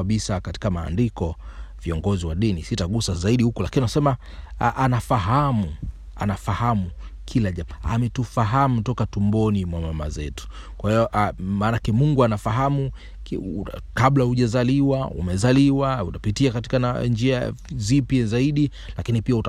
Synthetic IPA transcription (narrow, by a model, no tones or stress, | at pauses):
aɓisakati̥kama̰ːndikɔviɔŋɡɔziwaɗinisitaɠusazaiɗihukulakininasɛma | ʔanafaɦamu | a̰nafahamukʰilaʄamaa̰mɛtufaɦamutɔkatumbɔnimwamama̰zɛtu̥ | kwahijɔʔmaːnakɛmuŋɡuanafaɦamu | kkaɓlahuʄazaliwaṵmɛzaliwautapitiakati̥kaand͡ʒiazipjazaiɗi | lakinipiauta